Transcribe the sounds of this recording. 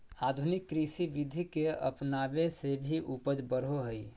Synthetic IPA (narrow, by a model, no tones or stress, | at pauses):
ad̪ʱunikːɾisiʋid̪ʱikeə̰pnabesebʱiʔupəd͡ʒbəɾɦoɦəj